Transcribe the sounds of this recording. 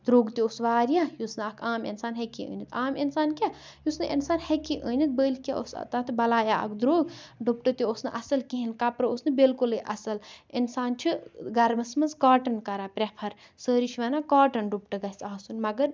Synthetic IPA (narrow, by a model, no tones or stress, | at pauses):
d̪ɾoːɡt̪iosʋaːɾjajusnɨɐkʰaːmḛnsaːnɦekiə̰ːnit̪ʰaːminsaːnkʲajusnɨʔinsaːnhekiʔəːnit̪̚bəːlkʲeo̰st̪at̪ʰbɐlaːjaɐ̰kd̪ɾoːɡɖupʈɨt̪ʲiosnɨʔɐsɐlkiɦinkɐpɾɨosnɨbilkulɨʔɐsɐlinsaːnt͡ʃʰiɡɐɾmɐsmɐzkaːʈɐnkɐɾapɾʲepʰɐɾ | səːɾiʃʰʋɐnakaːʈɐnɖupʈɨɡɐsaːsunmɐɡɐɾ